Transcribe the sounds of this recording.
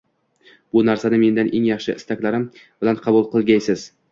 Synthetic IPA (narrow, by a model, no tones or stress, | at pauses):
b̥ʊnaɾsanɪme̞nd̪anʔe̞ŋjɑχʃɪɪst̪akʲlaɾɪm | b̥ɪlanqʰɑbʊlˠqʰɨlˠɡʲajsɪz